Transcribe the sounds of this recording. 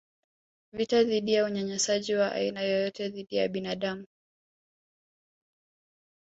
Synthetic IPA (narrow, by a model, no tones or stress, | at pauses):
vitaðiɗijauɲaɲɛsaʄiwaʔa̰inajɔjɔtɛðiɗijaɓinaɗamu